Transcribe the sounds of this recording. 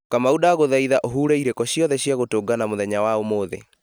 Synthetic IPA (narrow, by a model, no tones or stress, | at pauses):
kamaudaːɣoðaiðaʔoɦuːɾɛiɾekɔɕjɔðɛɕjaɣotoːɡanamoðɛɲawaomoːðḛ